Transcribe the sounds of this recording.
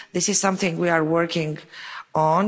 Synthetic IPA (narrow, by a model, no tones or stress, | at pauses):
ðɪsɨz̥sʌ̃mθɪ̃ŋwiaɹwɜ˞kɪ̃ŋɔ̃n